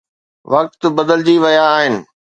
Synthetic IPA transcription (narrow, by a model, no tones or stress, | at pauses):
ʋɐk̚t̪bɐd̪əld͡ʑiʋɐjaːɦɪnɪ̆